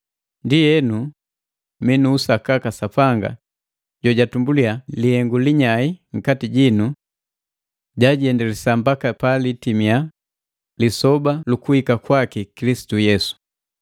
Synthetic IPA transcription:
ndijɛnu | minuːsakakasapaŋɡa̰ | ɟɔɟatumbulialihɛŋɡuliɲaiŋ̩katiɟinu | ɟaɟiɛndɛlɛsambakapalitimija | lisɔbalukuhikakwakikilisi̥tujɛsu̥

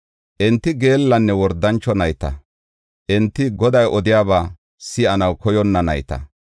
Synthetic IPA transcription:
ʔɛnt̪ːɪɡe̞ːlːɐnːɛwɔɾd̪ːɐnt͡ʃːɔnɐjt̪ɐ | ʔɛnt̪ːɪɡɔd̪ɐjʔɔd̪ɪjaːbaː | sɪɐnɐwkɔjɔnːɐnɐjt̪ɐ̰

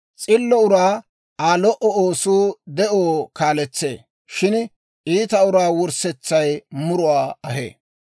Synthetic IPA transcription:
t͡sʼɪlːɔʊɾaː | aːlɔʔɔoːsuːd̪ɛʔoːkaːlɛt͡sːḛː | ʃɪn | ʔiːt̪ɐʊɾaːwʊɾsɛt͡sːɐjmʊɾʊwaːɐɦḛː

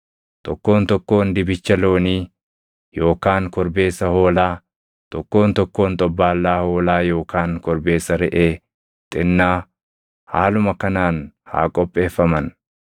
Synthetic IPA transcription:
t̪ɔkːo̞ːnt̪ɔkːo̞ːnd̪ɪbɪt͡ʃːɐlo̞ːniː | jo̞ːkaːŋkɔɾbe̞ːsːɐho̞ːlaː | t̪ɔkːo̞ːnt̪ɔkːo̞ːnt̪ʼɔbːaːlːaːho̞ːlaːjo̞ːkaːŋkɔɾbe̞ːsɐɾɛʔeː | t̪ʼɪnːaː | haːlʊmɐkɐnaːn | ha̰ːkʼɔpʼːe̞ːfːɐmɐn

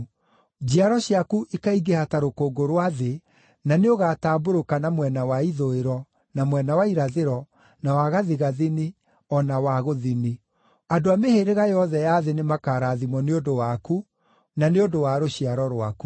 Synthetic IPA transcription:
d͡ʑiaɾɔɕjakuʔikaiɡehataɾokoːɡoɾwaðe | naneoɣaːtaːboɾokanamwɛnawaiðoeɾɔ | namwɛnawaiɾaðeɾɔ | nawaɣaðiɣaðini | ɔnawaɣoðini | adoameheɾeɣajɔðɛjaðenemakaɾaːðimɔneodowaku | naneodowaɾoɕiaɾɔɾwaku

